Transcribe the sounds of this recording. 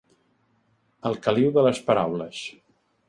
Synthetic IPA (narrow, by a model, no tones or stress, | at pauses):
əlˠkəliwðələspəɾawləs